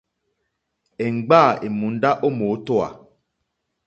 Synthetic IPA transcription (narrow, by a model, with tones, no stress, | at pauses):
e˨ŋ̩˨ɡ͡ba˦˨e˨mũ˨n̩˦da˦ʔo˦mo˨˦to˦a̰˨